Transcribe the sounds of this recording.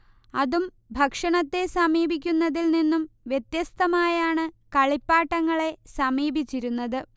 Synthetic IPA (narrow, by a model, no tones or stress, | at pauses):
ɐðum | bʱɐkʂɐɳɐt̪ːe̞sɐmiːbʱikʲːunːɐðilninːumʋjet̪jɐst̪ɐmaːjaːɳɨkɐɭipːaːʈːɐŋːɐɭe̞sɐmiːbʱit͡ɕːiɾunːɐðɨ